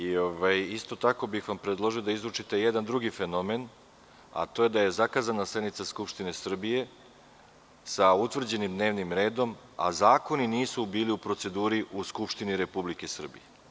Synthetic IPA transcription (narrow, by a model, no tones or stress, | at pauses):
io̞ʋajist̪o̞t̪ako̞bixʋampɾed̪lˠo̞ʒio̞d̪aizɾut͡ʂit̪e̞jed̪and̪ɾuɡife̞no̞me̞n | a̰t̪o̞je̞d̪aje̞zakaːzanasle̞d̪nit̪saskupʃt̪ine̞sr̩bije̞ | saut̪ʋr̩d͡ʑe̞nimd̪ne̞ːʋnimɾe̞ːd̪o̞m | a̰zaːko̞niniːsubiːliupɾo̞t̪se̞d̪uːɾiʔuskupʃt̪iniɾe̞publike̞sr̩bḭje